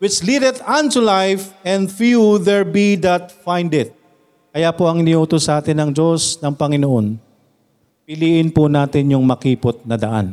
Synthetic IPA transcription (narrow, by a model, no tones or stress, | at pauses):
wɪt͡ʃlid̪ɛt̪ɐ̃nt̪ulajfɛ̃nd̪fjuðɛɹbid̪ɐt̪̚fãjnd̪ɪt̪̚ | kɐjapoɐŋɪnɪʔuːt̪osʔaːt̪ɪnɐŋd͡ʒo̞snɐŋpɐŋɪnoʔo̞n | pɪliːʔɪnponaːt̪ɪnjʊŋmɐkiːpot̪̚nɐd̪ɐʔa̰n